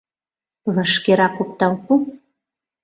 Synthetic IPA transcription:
βə̆ʃkeɾɑkop̚t̪ɑlpu

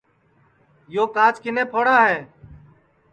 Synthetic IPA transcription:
joːkaːt͡ʃkɪneːpʰoːɽaːɦɛː

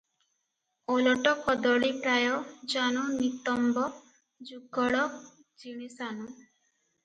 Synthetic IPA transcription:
olɔʈɔkɔd̪ɔɭipɾajɔd͡ʒanunit̪ɔmbɔ | d͡ʒuɡɔɽɔ | d͡ʒiɽ̃isanu

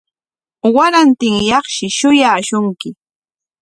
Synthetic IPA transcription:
waɾant̪ɪŋjɑχʃɪʃʊjaːʃʊŋkɪ

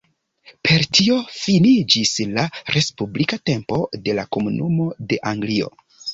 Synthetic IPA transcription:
pʰe̞ɾtʰio̞finid͡ʒislaɾe̞spublikate̞mpo̞̰de̞lako̞munumo̞de̞ʔaŋɡlio̞̰

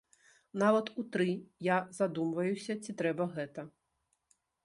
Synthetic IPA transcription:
navɐt̪ut̪ɾɨjazad̪umvɐjusʲɐt͡sʲit̪ɾɛbɐɣɛt̪ɐ

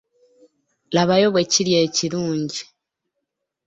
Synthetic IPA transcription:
laβajo̞βweciljeːciɾuːɲɟi

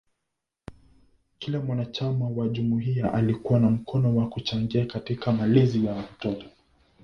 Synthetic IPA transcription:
kilamwanat͡ʃamawaʄumuɦiaʔalikuwanam̩kʰɔnɔwakut͡ʃaŋɡiakatikamalɛzijawatɔtɔ̥

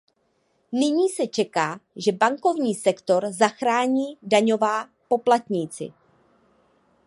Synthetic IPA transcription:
nɪɲiːsɛt͡ʃɛkaːʒɛbaŋko̞vɲiːsɛkt̪o̞ɾzaxɾaːɲiːdaɲo̞vaːpo̞plat̪ɲiːt͡sɪ̰

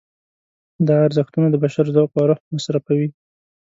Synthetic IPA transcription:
d̪ɑaɾzəxt̪unad̪əbaʃaɾzɑqɑɾʊhmasɾafawi

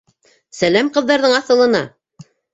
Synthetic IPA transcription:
sælæmqɤ̆ðːɑɾðɤɴɑθɤ̆lˠɤ̆nɑ

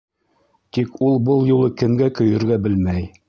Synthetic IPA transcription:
t̪ikulˠbɤlˠjulˠɤkɘ̆mɡækɵ̆jɵ̆ɾɡæbɘlmæj

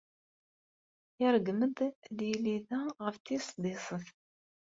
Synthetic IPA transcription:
ɪɾɡməd̪ðjiliðæʁəft̪ːisˤd̪ɪsˤəθ

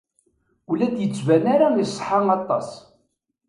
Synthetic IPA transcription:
ulæd̪jət͡sːvænaɾaisˤːħaŋɑt̪ˤːɑ̰s

